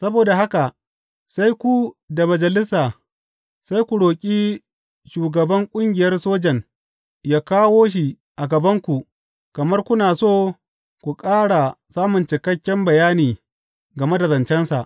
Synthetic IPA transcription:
sɐ˦boː˨da˨ɦa˦ka˨ | sa˦jkʷu˨da˨mɐ˨d͡ʒɐ˨lɪ˦saː˨ | sa˦jkʷu˨ɽoː˨kʲʼiː˦ | ʃuː˨ɡɐ˨bɐ˦ŋkʷʼʊ˦ŋɡʲɪ˨jɐ˦rsoː˦d͡ʒɛ˨ŋ | jaː˦kaː˦woː˦ʃ̬i˨ | ʔa˨ɡɐ˨bɐ˦ŋkʷu˨ʔ | kɐ˨mɐ˦rkʷʊ˦naː˨soː˦˨ | kʷu˨kʼaː˦ɽa˨saː˦mʊ˨nt͡ʃɪ˨kɐ˦kʲːɛ˦mbɐ˨jaː˦niː˨ | ɡɐ˨me˦da˨zɐ˨nt͡ʃɛ˦nsa̰˨ʔ

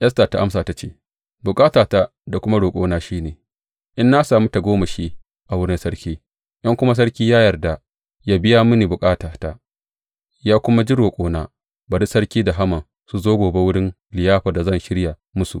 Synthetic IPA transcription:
ʔjɐ˦sta˨ta˦ʔa˦msaː˨ta˦t͡ʃeː˦ | bʊ˨kʼaː˦taː˨taː˦ | da˨kʷʊ˦ma˦ɽoː˨kʼo̰ː˦naː˦ʃiː˦neː˨ | ʔɪ˦nːa˦saː˨mu˦ta˨ɡʷoː˦ma˨ʃiː˦ | ʔa˨wʊ˦ɽi˦sɐ˦ɽkʲiː˦ | ʔɐ˦ŋkʷʊ˦ma˦s̬ɐ˦ɽkʲiː˦jaː˦jɐ˨rda˨ | jaː˦bɪ˦jaː˦mʊ˦ni˨bʊ˨kʼaː˦taː˨ta˦ | jaː˦kʷʊ˦ma˦d͡ʒi˦ɽoː˨kʷʼoː˦naː˦ | ba˨di˦sɐ˦ɽkʲiː˦da˨ɦa˦mɐ˨ŋ | su˨zoː˦ɡʷoː˨be˦wʊ˦ɽɪ˦n | lɪ˨jaː˦ɸa˨da˨zɐ˦˨nʃɪ˦ɽja˨ | mʊ˦sṵ˨ʔ

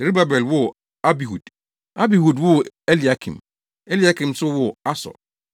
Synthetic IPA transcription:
se˨ɾi˦ba˨bɛ˨lwʊ˦ | a˦bi˨hu˨d̥ | a˦bi˨hu˨dwʊ˦ɛ˦li˨a˨˦kʰḭ̃˨m | ɛ˦li˨a˨˦kʰĩ˨msʊ˦wʊ˨a˦sɔ̰˨l

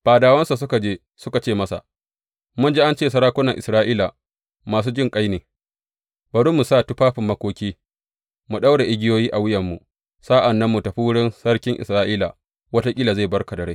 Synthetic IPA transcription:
ɸaː˨daː˨wɐ˦nsa˨sʊ˦ka˨d͡ʒeː˦ | sʊ˦ka˨t͡ʃeː˦˨mɐ˦sa̰˨ʔ | mʊ˦nd͡ʒi˦ʔa˦nt͡ʃeː˦˨s̬ɐ˦ɾaː˦kʷʊ˦nɐ˨ŋʔɪ̰˨sɾaː˦ʔiː˦la˨ | maː˨s̬uː˦d͡ʒɪ˦ŋkʼa˦jneː˨ | b̥ɐ˨ɽu˦mːu˨saː˦tu˦ɸaː˦ɸɪ˨mːɐ˦kʷoː˦kʲiː˦ | mu˨ɗa˦wɽa˨ʔɪ˦ɡʲɪ˦joː˦jiː˦ʔa˨wɪ˦jɐ˨mːṵ˨ | sa˦ʔa˨nːɐ˦mːu˨tɐ˨ɸi˦wʊ˦ɽɪ˦nsɐ˦rkʲɪ˦ŋʔɪ̰˨sɾaː˦ʔiː˦la˨ | wɐ˦ta˦kʲʼi˦la˨za˦˨bɐ˦rka˨dɐ˨ɽa˦j

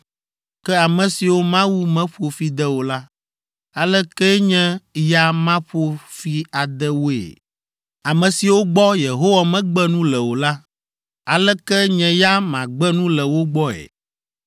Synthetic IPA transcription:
kɛ˦a˨mɛ̃˨si˨wo˦mã˦wu˦mɛ̃˦ɸo˨fi˦d̪ɛ˦wo˨la˦ | a˨lɛ˦kɛ˦ɲɛ̃˦ja˦mã˦ɸo˦fi˦a˨d̪ɛ˦wo˦ḛ˨ | a˨mɛ̃˨si˨wo˦ɡ͡bɔ˦je˨ɦo˦wa˨mɛ̃˦ɡ͡bɛ˦nũ˦lɛ˨wo˨la˦ | a˨lɛ˦kɛ˦ɲɛ̃˨ja˦mã˨ɡ͡bɛ˦nũ˦lɛ˨wo˦ɡ͡bɔ˦ɛ̰˨

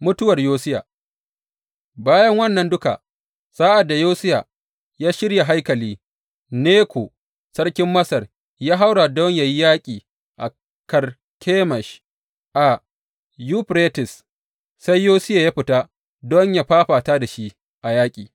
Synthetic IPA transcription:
mʊ˦tʊ˦wɐ˨rjoː˦sɪ˦ja̰˨ | baː˦jɐ˦ŋwɐ˦nːɐ˨ndʊ˦ka̰˨ | saː˦ʔa˨dːa˨joː˦sɪ˦ja̰˨ | jaː˦ʃɪ˦ɽja˨ɦa˦jkɐ˨liː˦ | neː˦kʰʷo˨ | sɐ˦rkʲɪ˦mːɐ˦sɐ˨r | jaː˦ɦa˦wɽa˨dɔ˦ɲja˨ji˦jaː˦kʲʼiː˨ | ʔa̰˨ | kɐ˨r | kʲʰeː˦mɐ˨ʃ | ʔa˨ | juː˦ɸɾe˦tɪ˨s | sa˦jːoː˦sɪ˦ja˨jaː˦ɸɪ˨taː˦ | dɔ˦ɲja˨ɸaː˦ɸaː˨taː˦da˨ʃi˦ | ʔa˨jaː˦kʲʼiː˨

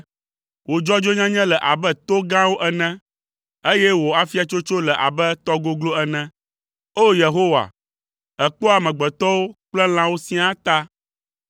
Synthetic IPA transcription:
wo˨d͡ʒɔ˦d͡ʒo˦ɲã˦ɲɛ̃˦lɛ˨ʔa˨bɛ˦t̪o˦ɡã˦wo˦ʔɛ˨nɛ̃˦ | e˦jɛ˦wo˨a˨fi˦a˨t͡ʃo˦t͡ʃo˦lɛ˨ʔa̰˨bɛ˦t̪ɔ˦ɡo˦ɡlo˦ɛ˨nɛ̃˦ | o˦je˨ɦo˦wa̰˨ | ɛ˨k͡po˦a˨mɛ̃˨ɡ͡bɛ˨t̪ɔ˦wo˦k͡plɛ˦l̃ã˦wo˦sĩ˦a˦t̪a˦

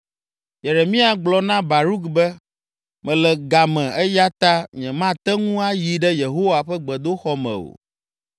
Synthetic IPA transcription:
jɛ˨ɾɛ˨mĩ˦a˨ɡ͡blɔ˨nã˦ba˨ɾu˦kbɛ˦ | mɛ̃˨lɛ˨ɡa˨mɛ̃˨ɛ˦ja˦t̪a˦mĩ˨ɛ̃˨mã˦t̪ɛ˦ŋũ˦a˦ji˨ɖɛ˦je˨ɦo˦wa˨ɸɛ˦ɡ͡bɛ˨d̪o˦xɔ˦mɛ̰̃˨o̰˨

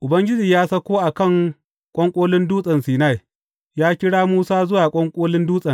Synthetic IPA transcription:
ʔʊ˨bɐ˦ŋɡʲɪ˦d͡ʒiː˨jaː˦sɐ˦kʷoː˦ʔa˨kɐ˦˨ŋ | kʷʼɔ˦ŋkʷʼoː˦lɪ˦nduː˦sʼɐ˨nsiː˨na˦˨j | jaː˦kʲɪ˦ɽaː˦muː˦saː˦zʊ˦waː˨kʷʼɔ˦ŋkʷʼoː˦lɪ˦nduː˦sʼɐ˨n

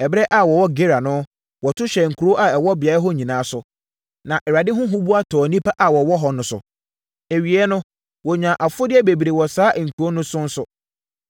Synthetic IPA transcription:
ɛ˨bɾɛ˦ʔa˨wɔ˨wɔ˦ɡe˦ɾa˨nʊ̃˦ | wɔ˨tʰʊ˦ɕɛ˨ŋ̩˨kʰu˨ɾo˦ʔa˨ɛ˨wɔ˦bɪ˨a˨˦ɪ˦ɦɔ˦ɲĩ˨nãː˨˦sʊ˨ | nã˨ʔɛ˨ɾa˨dɪ˦ɦʊ̃˦ɦʊ̃˦bu˦a˦tʰɔː˨nĩ˦pʰa˦ʔa˨wɔ˨wɔ˦ɦɔ˨nʊ̃˨sʊ̰˨ | e˨ɥi˨ɛ˦nʊ̃˦ | wɔ˨ɲᶣã˨ʔa˨fʊ˦dɪ˦ɛ˦be˨bi˨ɾe˨wɔ˨saː˦ʔŋ̩˨kʰu˨o˦nʊ̃˦sʊ̃˦n̩˦sʊ˨

